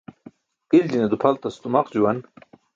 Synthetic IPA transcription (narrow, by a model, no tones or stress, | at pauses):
ild͡ʑined̪upʰɐlt̪ɐst̪umɐqd͡ʑuwɐn